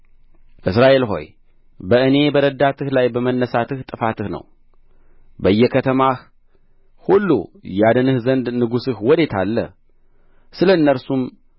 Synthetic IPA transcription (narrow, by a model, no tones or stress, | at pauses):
ʔɨsɾaʔe̞lɦo̞̰j | bəʔɨne̞bəɾəd̪at̪ʰɨhlajbəmənːəsat̪ɨht̪ʼɨfat̪ɨhnə̰w | bəjːɛkʰət̪ʰəmah | hulːṵjad̪ɨnɨhzənd̪nɨɡusɨhwɔd̪e̞t̪ʰalːə̰ | sɨləɨnːəɾsum